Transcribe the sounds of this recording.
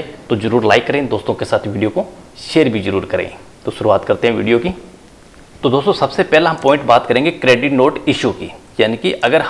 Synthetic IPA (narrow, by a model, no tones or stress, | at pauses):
t̪ozɐɾuːɾlaːɪkːɐɾẽːd̪oːst̪õkesaːt̪ʰʋiːɖijoko | ʃeːɾbʱizɐɾuːɾkɐɾḛ̃ː | t̪oʃʊɾuaːt̪kɐɾt̪eɦɛ̃ʋḭːɖijoki | t̪od̪oːst̪osɐbsepɛɦleɦɐmpɔːɪ̃ɳʈbaːt̪kɐɾẽːŋɡekɾeːɖɪʈnoːʈɪʃukḭjaːnikiʔɐɡəɾɦ